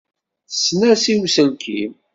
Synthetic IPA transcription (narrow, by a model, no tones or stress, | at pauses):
snæsiwsəlkʰḭm